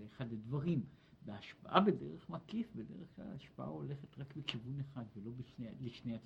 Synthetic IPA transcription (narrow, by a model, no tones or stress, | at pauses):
eχadledvaʁimbeaʃpa̰ʔabedeʁeχmakifbedeʁeχkla̰laʃpaʔa̰o̞le̞χetʁakbekivuneχadvelo̞biʃneliʃnejat͡s